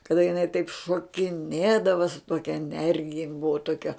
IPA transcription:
kɐˈdɐ jɪˈnɐɪ tɐɪp ʃoːkʲɪˈnʲeːdɐʋɐ sʊ ˈtoːkʲɛ ɛˈnʲɛrʲɡʲɪjɛ jɪn ˈbʊʋɐ ˈtoːkʲɛ

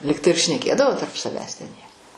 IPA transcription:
ˈlʲɪktɐɪ ɪr ʃʲnʲɛˈkʲeːdɐʋoː tɐrp sɐˈʋʲæːs tʲɛn jiɛ

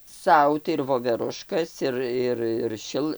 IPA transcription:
ˈsɐʊ tɐɪ ɪr ʋoːʋʲɛˈrʊʃkɐs ˈɪr ˈɪr ɪr ˈʃʲɪlˠ

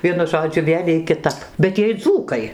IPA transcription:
ˈʋʲiɛnʊ ˈʒoːd͡ʒʲʊ ˈʋʲeːlʲ iɛj kʲɪˈtɐp bʲɛt ˈjiɛj ˈd͡zuːkɐɪ

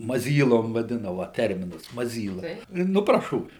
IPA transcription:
mɐˈzʲiːlˠoːm ʋɐˈdʲɪnɐ ˈʋɐ ˈtʲɛrʲmʲɪnɐs mɐˈzʲiːlˠɐ ˈnʊ prɐˈʃoːʋʲɪ

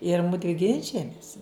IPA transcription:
ɪr ˈmʊdʲʋʲɪ ˈɡʲɪnʲt͡ʃʲɪjɛmʲɪs

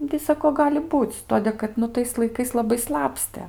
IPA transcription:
ˈnʊ tɐɪ ˈsɑːkoː ˈɡɑːlʲɪ ˈbuːt͡s ˈtoːdʲeː kɐt ˈnʊ tɐɪs lˠɐɪˈkɐɪs lˠɐˈbɐɪ ˈslˠɑːpʲsʲtʲeː

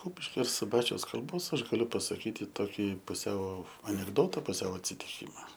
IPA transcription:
ˈkʊpʲɪʃʲkʲoː ɪr sʊˈbɑːt͡ʃʲɛʊs kɐlˠˈboːs ˈɐʃ ɡɐˈlʲʊ pɐsɐˈkʲiːtʲɪ toːˈkʲiː pʊˈsʲɛʊ ɐnʲɛɡˈdoːtɐ pʊˈsʲɛʊ ɐtʲsʲɪtʲɪˈkʲiːmɐ

